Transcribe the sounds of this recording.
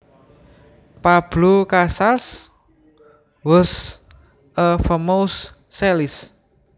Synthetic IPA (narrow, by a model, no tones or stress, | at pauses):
pab̥lukasals | wɔs | əfəmowsː | ɛlis